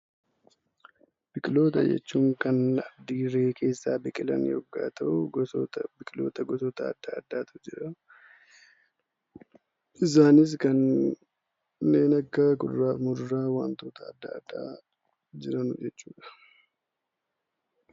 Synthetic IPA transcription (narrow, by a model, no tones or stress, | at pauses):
b̥ɪkʼɪlo̞ːt̪ɐd͡ʒɛ̰t͡ʃːuːŋkɐnɐbd̪iːɾeːkʰe̞ːsːaːbɪkʼɪlɐ̰njɔ̰ɡːa̰ːt̪ʰɐʔʊɐbɪkʼɪlo̞̰ːt̪ɐɡɔt̪ɔːt̪ɐ̰ːd̪ːaɐd̪ːaːt̪ʊd͡ʒɪɾɐ | ʔɪs̬aːnɪs̬kɐn | nːe̞ːnɐkːɐkʊdɾaːfmʊɾɾaːwaːnt̪oːt̪ɐːd̪ːɐːd̪ːa̰ː | d͡ʒɪɾɐnʊd͡ʒɛt͡ʃːuːᶑɐ̥